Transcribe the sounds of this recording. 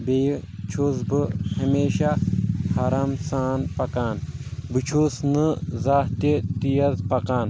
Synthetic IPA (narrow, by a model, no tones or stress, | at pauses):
bejt͡ʃʰuzbɨhɐmeːʃahaɾaːmsaːnpɐkaːnbɨt͡ʃʰusnɨzaːt̪it̪ijɐzpɐkaːn